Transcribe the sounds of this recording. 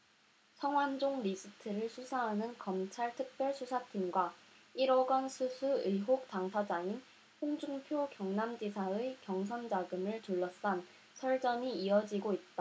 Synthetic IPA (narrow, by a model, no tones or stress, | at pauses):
sʰʌŋɦwand͡ʑoŋɾid͡ʑʰitʰɯɾɯɭsʰusʰaɦanɯnkʌmt͡ɕʰaɭtʰɯk̚p͈jʌɭsʰusʰatʰimɡwa | iɾʌɡʌnsʰusʰuɯjɦok̚taŋsʰad͡ʑaŋin | ɸoŋd͡ʑuŋpʰjokjʌŋnamd͡ʑisʰaɯkjʌŋsʰʌnd͡ʑaɡɯmɯɭtuɭːʌs͈an | sʰʌɭd͡ʑ͈ʌɲiːʌd͡ʑiɡoit̚t͈a